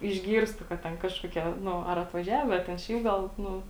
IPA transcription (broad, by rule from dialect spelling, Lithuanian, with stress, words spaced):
ɪʒʲˈɡʲiːrstʊ kɐt ˈtʲɛn ˈkɑːʃkuɔˌkʲiɛ ˈnʊ ɐr ɐtʋɐˈʒʲæːʋʲɛ ɐ tʲɛn ˈʃʲɛɪp ɡɐlˠ ˈnʊ